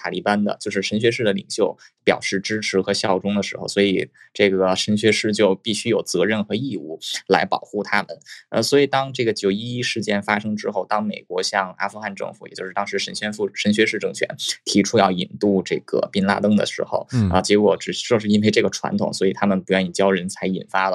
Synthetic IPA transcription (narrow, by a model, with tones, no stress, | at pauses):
t̪ʰa˨˩li˧˥˩pa˥nd̪ə̰˨t͡ɕjo˥˧ʊʂɻ̩˥˩ʂə˧˥nɕɥɛ˧˥ʂɻ̩˥˩d̪ə˩lḭ˨˩ŋɕjo˥˩ʊ | pjɑ̰˨˩ʊʂɻ̩˥˩ʈ͡ʂɻ̩˥ʈ͡ʂʰɻ̩˧˥xɤ˧˥ɕjɑ˥˧u˧˩ʈ͡ʂʊ˥ŋd̪ə˨˩ʂɻ̩˧˥xo˧ʊswɔ˧˥i˨˩ | ʈ͡ʂɤ˥˩ɡə˩ʂə˧˥nɕɥɛ˧˥ʂɻ̩˥˧t͡ɕjo˥˧ʊpi˥˩ɕy˥jo˨˩ʊt͡sɤ˧˥ɻə˥˩nxɤ˧˥i˥˧ṵ˥˩la˧˥ɪpɑ˨˩ʊxu˥˩t̪ʰa˥mə̰˨nə̰˧swɔ˧˥i˨˩t̪ɑ˥ŋʈ͡ʂɤ˥˩ɡə˩t͡ɕjo˨˩ʊi˥i˥ʂɻ̩˥˩t͡ɕjɛ˥˩nfa˥ʂɤ˥ŋʈ͡ʂɻ̩˥xo˥˩ʊt̪ɑ˥ŋme˨˩ɪkwɔ˧˥ɕjɑ˥˧ŋa̰˥fu˥˧xa˥˧nʈ͡ʂɤ̰˥˩ŋfu̥˧˥j̰t͡ɕjʂɻ̩˥˩t̪ɑ˥ŋʂɻ̩˧˥ʂə˧˥nɕɥɛ˥nfu˥˧ʂə˧˥nɕ̬ɥɛ˧˥ʂɻ̩˥˧ʈ͡ʂɤ˥˩ŋt͡ɕʰɥɛ̰˧˥nt̪ʰi˧˥ʈ͡ʂʰu˥jɑ˥˩ʊḭ˨˩nt̪u˥˧ʈ͡ʂɤ̰˥˩ɡə̰˩pi˥nla̰˥˧t̪ɤ˥ŋd̪ə̰˨ʂɻ̩˧˥xo̰˧ʊə̰˧t͡ɕjɛ˧˥kwɔ˧˥ʈ͡ʂɻ̩˨˩˥t͡ɕjo˥˧ʊʂɻ̩˥˧i˥nwʰe˥ɪʈ͡ʂɤ˥˩ɡə˩ʈ͡ʂʰwa̰˧˥nt̪ʰʊ̰˨˩˦ŋswɔ˧˥i˨˩t̪ʰa˥mə˨npu˧˥jni˨˩t͡ɕjɑ˥ʊɻə˧˥nt͡sʰa˧˥ɪi˨˩nfa˥lə˨